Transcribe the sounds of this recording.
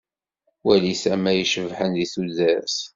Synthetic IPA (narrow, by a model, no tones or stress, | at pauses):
wælisæmæjəʃəvħənðiθuzæɾs